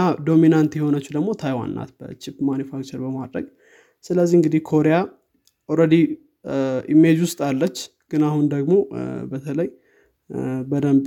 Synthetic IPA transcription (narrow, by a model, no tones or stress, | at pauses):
ad̪o̞minant̪jɛho̞nət͡ʃːud̪əɡmo̞t̪ʰajwa̰nːa̰t̪bə̰t͡ʃɪpmanjufakt͡ʃəɾbəma̰d̪ɾə̰ɡ | sɨləzːihɨŋɡɨd̪ihkʰo̞ɾeja | oɾəd̪i | ʔḭmːe̞d͡ʒwʊst̪ʼalːət͡ʃːɡ̥ɨnahund̪əɡmo̞bət̪ʰələj | bəd̪əmb